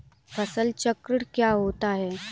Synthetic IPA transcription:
fʰəsəlt͡ɕəkɾəɽkjaɦot̪aɦe

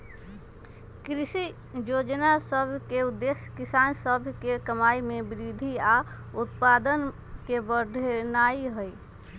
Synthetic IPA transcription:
kɾisi | jod͡ʒnasəbʱkeud̪ːesjkisansəbʱkekəmaimebiɾid̪ʱiaut̪pad̪ən | kebəɾd̪ʱnaiɦəj

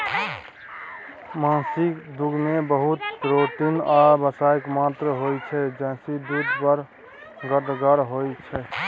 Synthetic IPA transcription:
mãsɪkd̪uɡmebəɦut̪ɾoʈinabəsaːjkmat̪ɾəɦojt͡ʃʰɛd͡ʒɛ̃ːsid̪ud̪ʱpəɾ | ɡəɾd̪ɡaɾɦojt͡ʃʰɛ

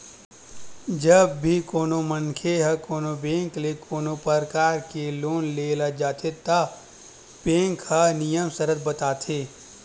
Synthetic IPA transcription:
d͡ʒɐbːʱikoːnomənkʰeɦɐkoːnobẽːŋklekʰoːnopəɾkaːɾkeloːnleːlad͡ʒaːt̪ʰet̪a | b̥ẽːŋkɦɐnijəmsɐɾət̪̚bɐt̪aːt̪ʰeː

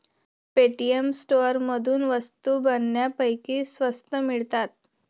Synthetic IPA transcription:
peʈiemsʈoɾməd̪ʱuːnʋəst̪uːbənːjapəjkiːsʋəst̪əmiɭt̪at̪̚

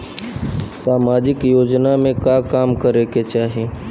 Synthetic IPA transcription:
saːmaːd͡ʒɪkjoːd͡ʒnamẽkakaːmkəɾeket͡ʃaːɦi

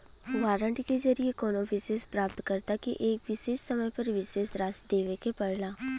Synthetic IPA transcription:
ʋaːɾəɳʈked͡ʒɐɾiekoːnoʋɪʃeːspɾaːpt̪kɐɾt̪akiʔeːkʋɪʃeːʃsɐməjpɐɾʋɪʃeːsɾaːsd̪eːʋekepɐɽlaː

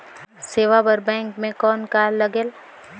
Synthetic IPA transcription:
seːʋabəɾbɛ̃ːŋkmẽkɔːnkaːlːɐɡeːl

